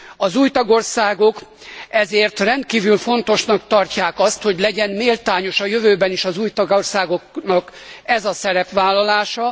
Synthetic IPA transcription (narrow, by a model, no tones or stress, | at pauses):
ɒzuːjt̪ɒɡo̞rsaːɡo̞k | ɛzeːrt̪rɛnt̪̚kiːvylfo̞nt̪o̞ʃnɒkt̪ɒrcaːkɒst̪ho̞ɟlɛɟɛnmeːlt̪aːɲo̞ʃɒjøvøːbɛniʃɒzuːjt̪ɒɡorsaːɡo̞knɒkɛzɒsɛɾɛpʋaːlːɒlaːʃɒ